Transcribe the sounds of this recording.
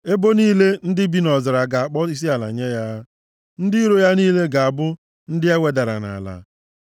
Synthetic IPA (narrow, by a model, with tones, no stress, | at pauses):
e˦bo˦niː˦le˦n̩˦dɪ˦bi˦nɔ˨zɪ˨ɾa˨ɡa˨a˨k͡pɔ˦i˦s̬i˦a˨la̰˨ɲe˦ja˦ | n̩˦dɪ˦i˦ɾo˦ja˦niː˦le˦ɡa˨a˨bʊ˦ | n̩˦dɪ˦e˦we˨da˨ɾa̰˨na̰˨la̰˨